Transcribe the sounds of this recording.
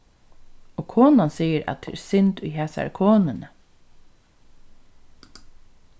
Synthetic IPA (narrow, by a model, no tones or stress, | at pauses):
ɔːkʰoːnansiːəɾæ̰t̪̚d̪ɛ̰ːɛsɪnt̪ʊjɦeːsa̰æ̰ɾkʰoːnɪnə